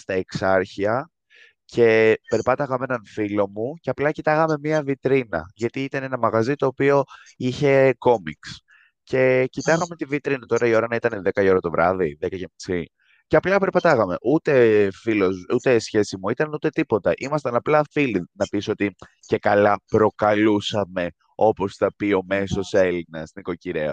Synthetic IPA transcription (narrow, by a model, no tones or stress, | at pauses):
st̪ɐeksɐɾçiɐ | cʰe̞pe̞ɾpɐt̪ɐɣɐme̞nɐnfilo̞muce̞ɐplɐcit̪ɐɣɐme̞miɐvit̪ɾinɐ̰ʝɐt̪iit̪ɐne̞nɐmɐɣɐzit̪o̞ːpio̞ | içe̞ko̞miks | ce̞cit̪ɐɣɐme̞t̪ivit̪ɾinɐt̪o̞ɾɐio̞ɾɐnɐit̪ɐne̞ðe̞kɐio̞ɾɐt̪o̞vɾɐ̰ðiðekɐcemisi | ceɐplɐpe̞ɾpɐt̪ɐɣɐme̞ʔut̪e̞filozut̪e̞sçe̞simuit̪ɐnut̪e̞t̪ipo̞t̪ɐʔimɐst̪ɐnɐplɐfilinɐpiso̞t̪i | ce̞kɐlɐpɾo̞kɐlusɐme̞ | o̞po̞sθɐpio̞me̞so̞se̞linɐst̪iniko̞ciɾeɐ̰